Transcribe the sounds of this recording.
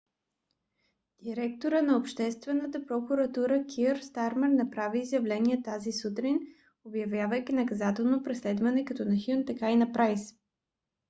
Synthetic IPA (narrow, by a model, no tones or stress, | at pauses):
d̪̥iɾɛkt̪oɾənɐopʃt̪ɛst̪vɛnːət̪əpɾokuɾɐt̪uɾəkʲʰiɾst̪aɾmɛɾnɐpɾaviːzjɐvlɛniɛt̪azisut̪ɾin | objɐvjavəjkʲinɐkɐzat̪ɛlˠnopɾɛslɛd̪vɐnɛkɐt̪ɔnɐxint̪ɐkainɐpɾajs